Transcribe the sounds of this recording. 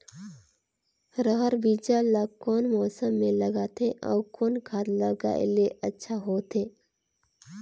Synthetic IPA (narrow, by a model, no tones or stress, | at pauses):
ɾəɦəɾbiːd͡ʒalakɔːnmɔːsəmːẽləɡat̪ʰeʔɔ̰ːkoːnkʰaːd̪ləɡa̰ɪ̰leʔətːʃʰaɦoːt̪ʰeː